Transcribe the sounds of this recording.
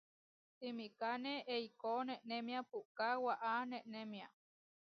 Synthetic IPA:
t̪imikaneʔeikoneʔnemiapuʔkawaʔaneʔnemia

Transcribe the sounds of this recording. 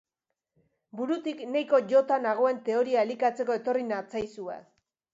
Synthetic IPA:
buɾut̪iknejko̞ʝo̞t̪anaɣ̞o̞e̞nt̪e̞o̞ɾiaelikat͡se̞ko̞e̞t̪o̞rinat͡sajsuḛ

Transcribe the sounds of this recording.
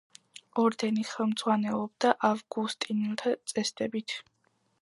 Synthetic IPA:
ɔɾd̪ɛniχɛlˠmd̪zʁwanɛlˠɔb̚d̪aʔavɡust̪ʼinɛlˠt̪ʰat̪sʼɛsd̪ʼɛbit̪ʰ

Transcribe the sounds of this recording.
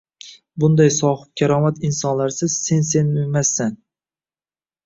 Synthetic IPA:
bʊnd̪ajsɒhɪp̚kʲʰaɾɒmat̪ɪnsɒnlaɾsɪz̥se̞nse̞nmʊmasːan

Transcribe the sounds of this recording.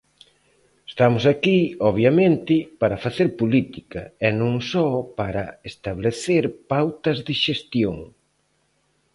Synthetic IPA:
est̪amʊsakiɔβjamẽnt̪ɪpaɾɐfaθeɾpolit̪ikɐɛnõŋsɔpaɾɐest̪aβleθeɾpawt̪ɐzðɪʃest̪joŋ

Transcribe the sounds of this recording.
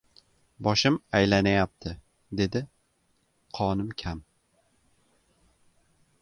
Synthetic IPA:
bɒʃɪmajlanajap̚t̪ʰɪ | d̪e̞d̪ɪ | qʰɒnɪmkʲʰam

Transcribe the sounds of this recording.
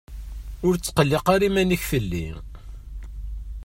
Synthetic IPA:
ʊɾt͡sːqəlːiqaɾimænəçfəlːḭ

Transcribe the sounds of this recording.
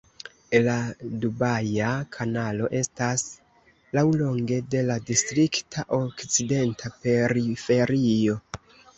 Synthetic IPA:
ladubajakʰanalo̞ʔe̞stas | lawlo̞ŋɡe̞de̞ladistɾiktʰaʔo̞kt͡side̞ntʰapeɾife̞ɾio̞

